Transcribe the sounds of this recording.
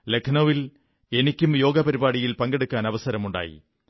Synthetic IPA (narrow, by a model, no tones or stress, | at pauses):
le̞kʰɳoʋil | e̞nikʲːumjo̞ːɡɐpɐɾibaːɽijilpɐŋɡe̞ɽukːaːnɐʋɐsɐɾɐmuɳɖa̰ːjḭ